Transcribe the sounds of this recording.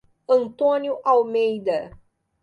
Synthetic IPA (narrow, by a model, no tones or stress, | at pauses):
ɐ̃nt̪õnjʊʔawmejd̪ɐ